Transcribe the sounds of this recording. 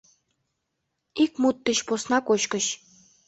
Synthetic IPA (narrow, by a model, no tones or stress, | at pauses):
ikmut̪ːĭɕposnɑkoɕkə̆ɕ